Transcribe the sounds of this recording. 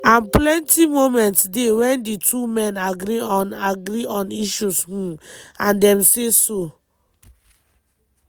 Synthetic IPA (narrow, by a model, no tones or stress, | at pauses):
ãnplɛ̃ntimomɛ̃ntsdewɛ̃nditʰumɛ̃naɡɾiɔ̃naɡɾiɔ̃niʃushũãndɛ̃mseso